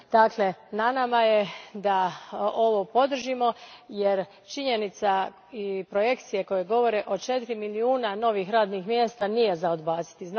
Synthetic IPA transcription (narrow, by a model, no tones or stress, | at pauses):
d̪̥aklenanamaje̞d̪ao̞ʋo̞po̞d̪r̩ʒimo̞jeɾ | t͡ʃiɲe̞nit̪sa | ipɾo̞je̞kt̪sije̞ko̞jeɡo̞ʋo̞ɾe̞ʔo̞t͡ʃe̞t̪iɾimiliuːnano̞ʋixɾaːd̪nixmjest̪anije̞zao̞d̪baːt̪si̥t̪izn